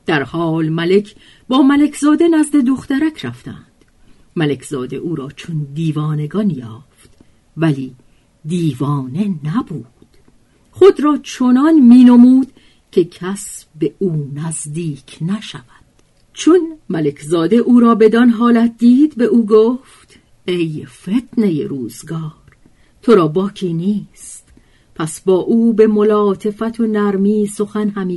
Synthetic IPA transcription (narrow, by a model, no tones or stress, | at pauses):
d̪̥æɾhɒːlmæle̞cʰ | bɒːmæle̞kʰzɒːd̪e̞næzd̪e̞d̪oxt̪æɾækʰɾæft̪æ̰nd̪̥ | mælekʰz̥ɒːd̪e̞ʔuːɾɒːt͡ʃʰond̪iːvɒːne̞ɡɒnjɒːft̪ | væliː | d̪iːvɒːne̞næbuːd̪̥ | χod̪ɾɒːt͡ʃʰonɒnmiːnomuːd̪̥ | cʲʰe̞cʰæsbeuːnæzd̪iːkʰnæʃævæd̪̥ | t͡ʃʰonmæle̞kʰzɒːd̪e̞ʔuːɾɒːbe̞d̪ɒnɦɒːlæt̪̚ʰd̪iːd̪be̞ʔuːɡoːft̪ | e̞jfe̞t̪ʰnejḛɾuːzɡɒːɾ | t̪ʰoɾɒːbɒːkʰiːniːst̪ | pʰæsbɒːʔuːbe̞mo̞lɒːt̪ʰe̞fæt̪ʰonæɾmiːsoxænhæmiː